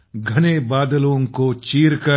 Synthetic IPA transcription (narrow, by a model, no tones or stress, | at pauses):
ɡʱɐnebaːd̪lõkot͡ʃiːɾkɐ